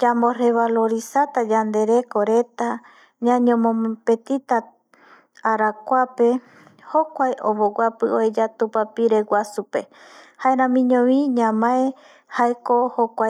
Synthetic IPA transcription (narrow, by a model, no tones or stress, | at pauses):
d͡ʒambore̞βalo̞ɾisat̪ad͡ʒand̪e̞ɾe̞koɾe̞t̪a | ɲãɲõmõpe̞t̪it̪a | aɾakʷape̞ | hokʷajʔoβowapɨoed͡ʒat̪upapiɾe̞wʷasupe̞haeɾãmĩɲõʋĩɲãmãe | haekohokʷa